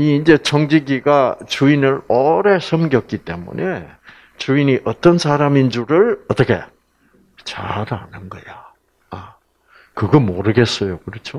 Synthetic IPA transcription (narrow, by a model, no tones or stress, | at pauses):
iːnd͡ʑe̞t͡ɕʰʌŋd͡ʑiɡiɡat͡ɕuinɯɭʌɾe̞sʰʌmɡjʌk͈it͈e̞mṵnʔe̞ | t͡ɕuiniʔʌt͈ʌnsʰaɾamind͡ʑuɾɯɭʌt͈ʌkʰe̞̰ | t͡ɕa̰ɾanɯnɡʌ̰ja | a | kɯɡʌmoɾɯɡe̞s͈ʌjokɯɾʌt͡ɕʰo